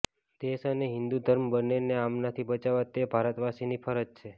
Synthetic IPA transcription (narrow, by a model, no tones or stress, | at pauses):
d̪̥esəneɦɪnd̪ud̪ʱəɾmbəneneamnat̪ʰibət͡ʃaʋat̪ebʱaɾət̪ʋasinifʰəɾəd͡ʒt͡ʃʰe